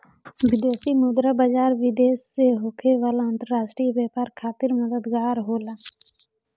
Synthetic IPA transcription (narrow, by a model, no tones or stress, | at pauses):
ʋɪd̪eːsimʊd̪ɾabaːd͡ʒaːɾʋɪd̪eːseɦokʰeʋaːlaə̃nt̪əɾaːʃʈɾibjaːpaːɾkʰaːt̪ɪɾməd̪əd̪ɡaːɾɦoːlaː